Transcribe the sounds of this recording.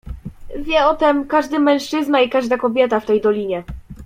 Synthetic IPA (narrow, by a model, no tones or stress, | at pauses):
vʲjɛɔt̪ɛmkaʐd̪ɘmɛ̃w̃ʂt͡ʂɘznaikaʐd̪akɔbʲjɛt̪aft̪ɛjd̪ɔlʲiɲɛ